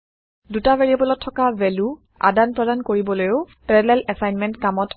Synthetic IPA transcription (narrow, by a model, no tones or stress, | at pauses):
dutavɛɹiɛbɔlɔtʰːɔkavɛlu | a̰danpɹɔdankoɹibɔlojʊ | pɹɛlɛlɛsajnmɛntkamɔt